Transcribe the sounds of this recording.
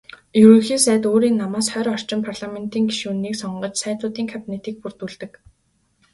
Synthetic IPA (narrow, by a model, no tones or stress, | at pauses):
jɵɾɵ̆xiːsæːt̪oːɾiːnːamaːsχœːɾɔr̥t͡ɕɪ̆mpʰarɮament̪iːŋɡiʃuːniːksɔɴɢɞ̆t͡ɕsæːt̪ʊːt̪iːŋkʰapʲinet̪iːk̚pur̥t̪uɮt̪ɘ̆k